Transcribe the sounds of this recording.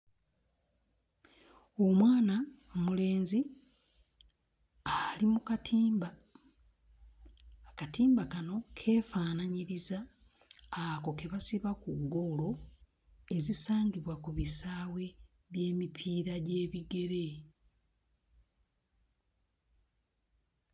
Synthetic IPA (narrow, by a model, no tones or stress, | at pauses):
o̞mwaːna | mule̞ːnzi | alimuktːb | katiːmbakano̞kʰe̞ːfaːnaɲiɾizaː | ko̞ke̞βasiβakuɡo̞lo̞ | e̞zisaːŋɡiβwakuβisaːwe̞ | βje̞ːmipʰiːɾaɟe̞ːβiɡe̞ɾe̞